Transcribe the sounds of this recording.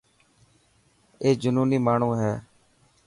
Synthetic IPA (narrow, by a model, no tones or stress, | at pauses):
eːd͡ʒəʊnuːniːmaːɳũːɦɛː